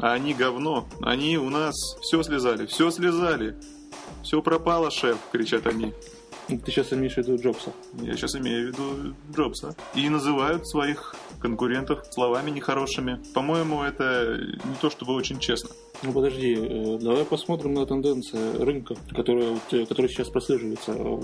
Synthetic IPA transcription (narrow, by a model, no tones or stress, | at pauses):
ɐːnʲiɡɐvno̞ɐ̰nʲiʊnasfsʲoslʲɪzalʲɪfsʲoslʲɪzalʲɪ | fsʲo̞pɾɐpalˠəʂɛfkɾʲɪt͡ɕat̪ɐnʲi | t̪ɨɕasɪmʲejɪʂvʲɪd̪uʐopsə | ja̰ɕasɪmʲejʊvʲɪd̪ud͡ʐo̞psəinəzɨvajʊt̪svɐix | kənkʊɾʲe̞nt̪əfslˠɐvamʲɪnʲɪxɐɾo̞ʂɨmʲɪpɐmo̞jɪmʊɛt̪ənʲɪt̪o̞ʂt̪obɨot͡ɕɪnʲt͡ɕesnə | nupəd̪ɐʐdʲiəd̪ɐvajpɐsmo̞t̪ɾʲɪmnət̪ɨnd̪ɛnt̪sɨjəɾɨnkəkɐt̪o̞ɾəjəvo̞t̪kɐt̪o̞ɾəjəɪt͡ɕaspɾɐsʲlʲeʐɨvəjɪt̪sə̰